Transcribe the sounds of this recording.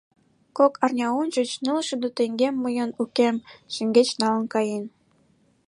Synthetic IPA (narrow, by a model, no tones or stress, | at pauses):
kokʰɑrnʲɑunt͡ɕə̆t͡ɕnəlʃed̪ot̪eŋɡemːəjənukemʃə̆ŋɡet͡ɕnɑlə̆nkɑjen